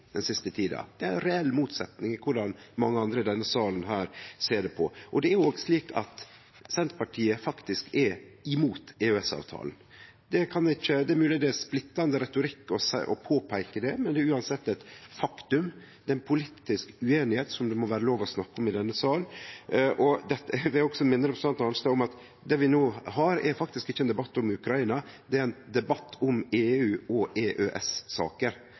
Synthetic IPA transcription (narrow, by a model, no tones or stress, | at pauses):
d̪̥ɛnsɪst̪ət̪ʰiːd̪ɑ̰d̪̥ɛæɾnɾɛɛlːmuːt̪sɛt̪nɪŋɪkʰʊɖɑnmɑŋːəɑnd̪ɾəɪd̪ɛnːəsɑːlənɦæːɾseːɖɛpʰɔʔɔd̪ɛæɾoːɡsliːkɑ̰t̪ | sɛnt̪pɑʈʰiːəfɑkt̪ɪskɛɾɪmuːt̪eøɛsɑ̰ːʋt̪ʰɑ̰ːln̩ | d̪̥ɛkʰɑnd̪ɛɪçːəd̪ɛæɾmʉːlɪd̪ɛsplɪt̪ːɑnd̪əɾɛt̪ʊɾɪkːɔsʔɔ̰pʰoːpʰæɪkəd̪ɛmɛnd̪ɛːɾʉːɑnsɛt̪ːɛt̪fɑkt̪ʉm | d̪̥ɛɪnpʰʊliːt̪ːɪskʉeːnɪheːt̪sɔmd̪ɛmɔʋæːɾəloːʋɔsnɑkːəɔmɪd̪ɛnːəsɑːl | ʔɔd̪ɛt̪ːəʋɪɔɡsɔmɪnːəɾɛpsɑnt̪ɑnst̪əɔmɑt̪ | d̪ɛʋɪnoːhɑɾɛɾfɑkt̪ɪskɪçːəɛːnd̪ɛbɑt̪ːʊmʉkʰɾɑiːnɑd̪ɛæɾæɪnd̪ɛbɑt̪ːʊmeːʉːɔʔeʔøʔɛsːɑ̰ːkəɾ